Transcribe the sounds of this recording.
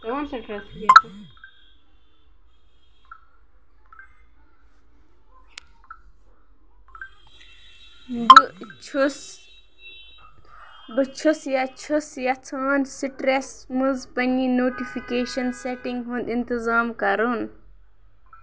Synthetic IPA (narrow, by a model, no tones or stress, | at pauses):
ɐnsɐʈɾɐs | but͡ʃʰusjɐt͡ʃʰusjɐt͡sʰaːnsiʈɾesmuzpɐninoːʈifikeːʃɐnseʈiŋɡɦũnd̪int̪izaːmkɐɾun